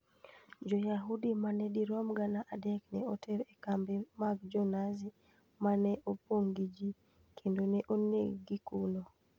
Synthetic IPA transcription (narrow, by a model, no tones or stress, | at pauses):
d͡ʒɔjaɦudimanɛdiɾɔmɡanaʔadɛknɛotʰɛɾɛkambimaɡd͡ʒɔnazi | manɛʔopoŋɡid͡ʒi | kʰendonɛʔonḛɡɡikuno